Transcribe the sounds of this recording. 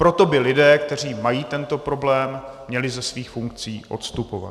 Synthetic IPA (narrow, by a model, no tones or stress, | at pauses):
pɾo̞t̪o̞bɪlɪdɛːkt̪ɛr̝iːmajiːt̪ɛnt̪o̞pɾo̞blɛːmːɲɛlɪzɛsviːxfuŋk̚t͡siːʔo̞̰t̪st̪upo̞va̰t̪